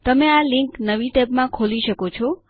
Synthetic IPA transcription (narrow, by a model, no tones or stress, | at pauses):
t̪əmealiŋknəʋiʈɛpmãkʰoliʃəkot͡ʃʰɔ